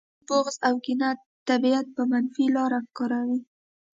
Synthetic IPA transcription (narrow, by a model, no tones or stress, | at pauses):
boɣzawɡɪna | t̪ːabiat̪̚pəmanfilɑɾakɑɾawi